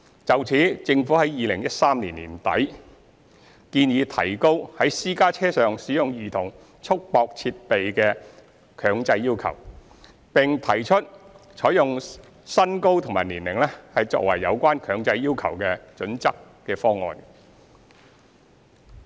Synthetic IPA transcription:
t͡sɐ˨wt͡sʰiː˨˥t͡sɪ˧ŋfuː˨˥hɐ˨˥jjiː˨˧lɪ˨˩ŋjɐ˥t̚saː˥mniː˨˩nlḭː˨˩nt̪ɐ̰˨˥j | kiː˧njiː˨˧t̪ʰɐ̰˨˩jko˥whɐ˨˥jsiː˥kaː˥t͡sʰɛː˥sœː˨ŋsiː˨˥jʊ˨ŋjyː˨˩t̪ʰʊ˨˩ŋ | t͡ʃʰʊ˥k̚pɔː˧k̚t͡sʰiː˧t̚pe˨jkɛː˧ | kʰœː˨˧ŋt͡sɐ˧jːiː˥wkʰɐ̰˨˩w | pɪ˨ŋt̪ʰɐ˨˩jt͡ʃʰɵ˥t̚ | t͡ʃʰɔː˨˥jʊ˨ŋ | sɐ˥nko˥wt̪ʰʊ˨˩ŋmaː˨˩niː˨˩nlɪ˨˩ŋlɛ˥hɐ˨jt͡sɔ̰ː˧k̚wɐ˨˩jːɐ˨˧wkʷaː˥nkʰœː˨˧ŋt͡sɐ˧jːiː˥wkʰɐ˨˩wkɛː˧t͡ʃɵ˨˥nt͡sɐ˥kːɛː˧fɔː˥ŋɔ̰ː˨˧n

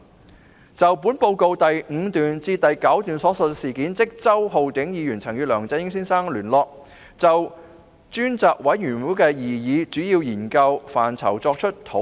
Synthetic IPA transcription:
t͡sɐ˨wpuː˨˥npo˧wko˧wt̪ɐ˨jŋ̩˨˧t̪yː˨nt͡siː˧t̪ɐ˨jkɐ˨˥wt̪yː˨nsɔː˨˥sɐ˨siː˨˩kiː˨˥nt͡sɪ˥k̚t͡sɐ˥wɦo˨wt̪ɪ˨˥ŋjiː˨˧jyː˨˩nt͡sʰɐ˨˩ŋjyː˨˧lœː˨˩ŋt͡sɐ˧jɪ˥ŋsiː˥nsaː˥ŋlyː˨˩nlɔː˧k̚ | t͡sɐ˨w | t͡ʃyː˥nt͡saː˧k̚wɐ˨˥jːyː˨˩nwuː˨˥kɛː˧jiː˨jiː˨˧t͡syː˨˥jiː˧wjiː˨˩nkɐ˧wfa̰ː˨˩nt͡sʰɐ˨˩wt͡sɔː˧k̚t͡ʃʰɵ˥t̚t̪ʰo˨˥

